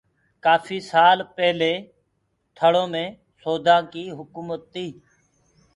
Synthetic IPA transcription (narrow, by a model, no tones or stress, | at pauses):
kaːfʰiːsaːlpɛɦleː | t̪ʰəɽõːmẽː | soːd̪ʱãːkiːɦʊkuːmət̪ːiː